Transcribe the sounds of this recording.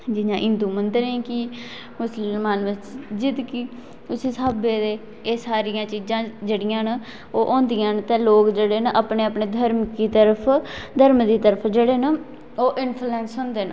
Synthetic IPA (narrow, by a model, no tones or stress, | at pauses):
d͡ʒɪnãːʔɪ̃nd̪uːmənd̪əɾẽːki | mʊsəllmaːnʋət͡ʃd͡ʒɪd̪kiː | ʊsiːsaːbeːd̪eː | eːsaːɾɪjãːt͡ʃiːd͡ʒãːd͡ʒeːɽɪjãːn | oːʔõːnd̪ɪjãːnt̪ɛ̃ːloːkd͡ʒeːɽeːnəʔapɳeːapɳeːd̪ʱəɾmkiːt̪əɾəpʰd̪ʱəɾmd̪iːt̪əɾəpʰd͡ʒeːɽeːnə | oːʔɪnpʰlɛːnsɦõːnd̪eːn